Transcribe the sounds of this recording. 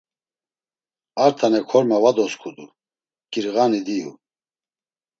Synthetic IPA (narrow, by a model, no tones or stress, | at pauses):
aɾt̪ʰanɛkʰɔɾmavad̪ɔskʰud̪u | kʼiɾɣanid̪ijṵ